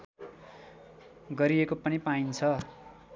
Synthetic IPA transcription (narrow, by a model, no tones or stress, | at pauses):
ɡʌɾiekopʌnipaint͡sʰʌ